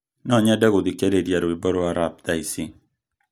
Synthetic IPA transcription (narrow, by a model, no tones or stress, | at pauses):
nɔɲeadaɣudikededjaɾoibɔɾoaɾap̚daisiŋ